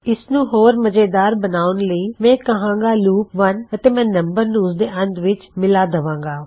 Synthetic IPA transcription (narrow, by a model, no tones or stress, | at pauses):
ɪsnũːɦoːɾməd͡ʒeːd̪aːɾbənaːʊnləiːmɛ̃ːkəɦãːŋɡaːluːpʋənət̪eːmɛ̃ːnəmbəɾnũːzd̪eːʔə̃nd̪ʋɪt͡ʃmɪlaːd̪əʋãːŋɡaː